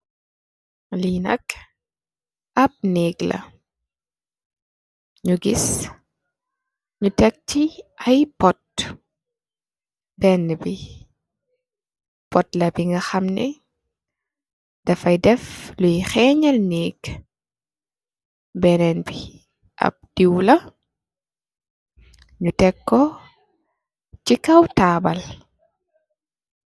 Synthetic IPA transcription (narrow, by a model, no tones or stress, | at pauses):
linɐ̰k | ɐp̚nɛːɡlɐ̰ | ɲuɡis | ɲutɛk̚tiɐjpɔt̚ | bɛnːəbi | pɔtlɐbiŋɡɐxɐmnɛ | d̥ɐfɐjdɛflujxɛɲɐlniːɡ | bɛnɛnbi | ʔɐ̰p̚d̥iwlɐ | ɲutɛkːɔ | cikɐwtaːbɐl